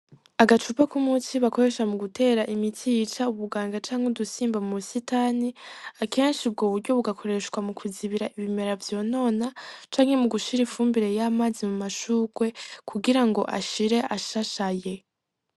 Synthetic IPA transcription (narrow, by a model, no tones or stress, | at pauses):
aɡat͡ʃupakumutiβako̞ɾe̞ʃamuɡutʰe̞ːɾaʔimitʰijit͡ʃauβuɡaːŋɡat͡ʃaːŋhudusiːmbamusitaniake̞ːnʃib̚ɡoːβuɾɟo̞βuɡakʰo̞ɾe̞ʃkwamukʰuziβiɾaʔiβime̞ɾavjo̞ːno̞ːnat͡ʃaːŋhe̞muɡuʃiɾifuːmbiɾe̞jaːmaːzimumaʃuːɡwe̞kʰuɡiɾaŋɡo̞ʔa̰ʃiɾe̞ʔaʃaʃaje̞